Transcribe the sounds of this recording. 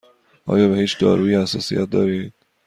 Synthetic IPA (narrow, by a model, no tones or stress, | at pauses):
ʔɒ̰ːjɒːbehiːt͡ʃd̪ɒːɾuːjehæsɒ̰ːsḭjæ̰t̪̚d̪ɒːɾiːd̪̥̚